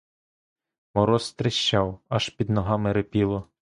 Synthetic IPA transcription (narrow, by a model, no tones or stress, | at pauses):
mɔɾɔsst̪ɾɪʃt͡ʃɑwɐʃpʲid̪nɔɦɑmɪɾepʲilˠɔ